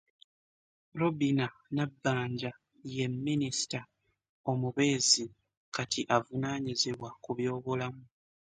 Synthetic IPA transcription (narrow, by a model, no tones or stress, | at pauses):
ɾobinanabːaːɲɟa | je̞mːinisi̥ta | o̞muβe̞ːzi | katʰiʔavunaːɲiziβwakuβjo̞ːβulamu